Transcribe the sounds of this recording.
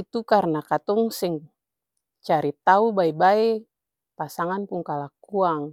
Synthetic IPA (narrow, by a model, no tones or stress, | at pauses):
it̪ukarnakat̪ɔŋsɛŋ | t͡ʃaɾit̪aubaebae | pasaŋanpuŋkalakuaŋ